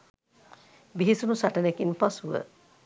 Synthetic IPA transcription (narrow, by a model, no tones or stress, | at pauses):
biɦisunusaʈənekinpasuʋə̰